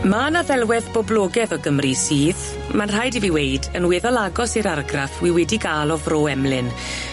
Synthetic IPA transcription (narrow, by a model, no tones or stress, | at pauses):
manaðɛlˠwɛðbɔblˠoːɡɛðɔɡəmrisiːð | manr̥ajdiviwejdənwɛːðɔlˠaɡɔsiɾarɡrafwiwɛdiɡaːlˠɔvroːɛmlɪn